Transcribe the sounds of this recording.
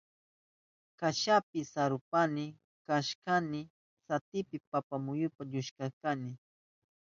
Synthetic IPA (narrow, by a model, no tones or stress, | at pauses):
kaʃapɪsaɾʊpanɪ | kaʃkanɪ | sat̪ɪpɪpapamʊjʊpaʎʊʃkakanɪ